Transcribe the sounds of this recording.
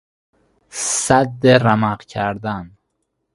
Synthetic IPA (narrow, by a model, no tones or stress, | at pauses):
sæd̪ːeɾæmæqcʰæɾd̪æn